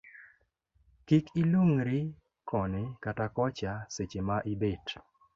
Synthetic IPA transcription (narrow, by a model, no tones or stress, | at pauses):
kikʰiloŋɾɪ | kɔnɪkatakɔt͡ʃaset͡ʃemaʔɪbet